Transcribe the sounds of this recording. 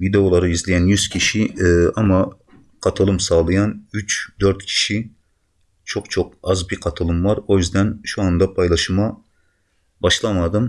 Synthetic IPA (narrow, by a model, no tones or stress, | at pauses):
vid̪ewolˠɑɾɨizlɪɡʲɛnjyz̥kʲʰiʃiɑmːɑ | qʰɑt̪ʰɨlˠɨmsɑːlˠɨjɑnyt͡ʃd̪øɾt̪kʲʰi̥ʃi | t͡ʃʰoqt͡ʃʰoq̚ɑzbiqʰɑt̪ʰɨlˠɨmvɑɾojyzd̪ɛnʃuɑnd̪ɑpʰɑjlˠɑʃɨmɑ | bɑʃlˠɑmɑd̪ɨm